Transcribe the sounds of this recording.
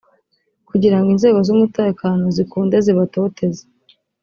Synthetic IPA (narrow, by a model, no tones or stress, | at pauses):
kuɟiɾaŋɡinze̞ːɡo̞zumute̞ːkano̞zikuːnde̞ziβato̞ːtʰe̞ze̥